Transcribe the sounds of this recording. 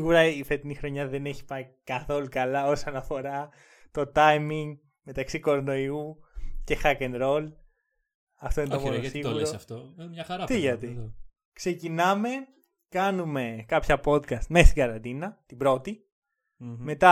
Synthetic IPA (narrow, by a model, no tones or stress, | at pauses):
ɣuɾɐifet̪inixɾo̞ɲɐðe̞neçi̥pɐikɐθo̞lukɐlɐo̞sɐnɐfo̞ɾɐ | t̪o̞t̪ɐjmiŋɡ | me̞t̪ɐksiko̞ɾono̞iuce̞xɐkenɾo̞l | ɐft̪oinet̪omlosiɣuɾosɐft̪oɐxɐɾɐt̪iʝɐt̪i | kse̞cinɐme̞ | kɐnume̞kɐpçɐpo̞t̪kɐst̪me̞st̪iɡɐɾɐnd̪inɐt̪ibɾo̞t̪i | me̞t̪ɐ